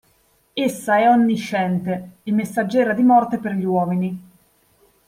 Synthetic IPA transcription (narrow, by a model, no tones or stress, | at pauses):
esːaɛɔnːiʃːɛnt̪eemːesːad͡ʒːɛːɾad̪imɔrt̪eperʎiwɔːmini